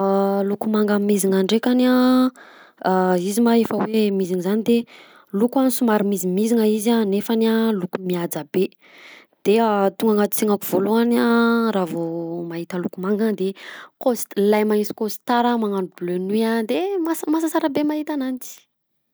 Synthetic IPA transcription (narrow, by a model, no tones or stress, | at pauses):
lukumaŋɡammiziŋaɳɖ͡ʐekʲana | izimaefəwemiziŋizanid̪e | lukanisumaɾimizimiziŋaizanefanalukumiad͡zabe | d̪̥eat̪uŋɡaŋat̪u̥t͡siŋakuv̥oluanaɾavomaɦit̪əlukumaŋɡand̪ekost̪lajmaisi̥kosi̥t̪aɾamaŋanublønuad̪emasmas̬asaɾabemaɦit̪anant͡si̥